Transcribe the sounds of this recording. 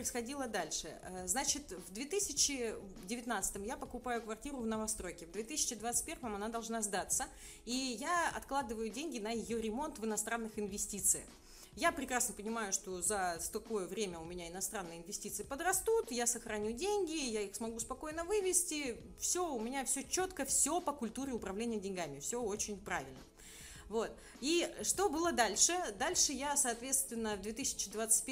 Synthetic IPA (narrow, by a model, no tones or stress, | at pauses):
pəɪsxɐdʲilˠəd̪alʲʂɨ̰əznat͡ɕɪt̪vd̪vʲet̪ɨsʲɪt͡ɕːɪ | dʲɪvʲɪt̪nat̪sɨ̥t̪əmjapəkʊpajʊkvɐrtʲiɾʊvnəvɐst̪ɾo̞jkʲɪvd̪vʲe̞t̪ɨsʲɪ̥t͡ɕɪd̪vat̪sɨ̥tʲpʲervəmɐnad̪ɐlˠʐnazd̪at̪sə | ijaɐ̰t̪klˠad̪ɨvəjʊdʲenʲɡʲɪnəjɪjoɾʲɪmo̞nt̪vɨnɐst̪ɾanːɨxɨɪnvʲɪsʲtʲit̪sɨə̰x | japɾʲɪkɾasnəpənʲɪmajʊʂt̪o̞zət̪ɐko̞jəvɾʲemʲəʊmʲɪnʲaɪnɐst̪ɾanːɨjəɪnvʲɪsʲtʲit̪sɨɪpəd̪rɐst̪ut̪jasəxɾɐnʲudʲenʲɡʲɪjaixsmɐɡuspɐko̞jnəvɨvʲɪsʲtʲɪ | fsʲo̞ʊmʲɪnʲafsʲɵt͡ɕo̞t̪kəfsʲo̞pəkʊlʲt̪uɾʲɪʊpɾɐvlʲenʲɪjədʲɪnʲɡamʲɪfsʲɵot͡ɕɪnʲpɾavʲɪlʲnə̰ | vo̞t̪ | iʂt̪o̞bɨlˠəd̪alʲʂɨd̪alʲʂɨjasɐːt̪vʲe̞t̪st̪vʲɪnːəvd̪vʲet̪ɨsʲɪ̥t͡ɕɪd̪vat̪sɨ̥t̚ʲp